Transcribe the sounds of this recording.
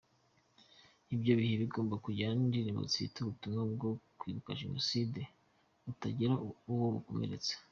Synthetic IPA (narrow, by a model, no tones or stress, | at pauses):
ibɟo̞βiheβiɡoːmbakuɟandiɾimo̰t͡sḭtuɾutunab̚ɡokwiːβukaʒenoside | utaɟiɾauwoβṵko̞̰me̞̰ɾe̞t͡se̥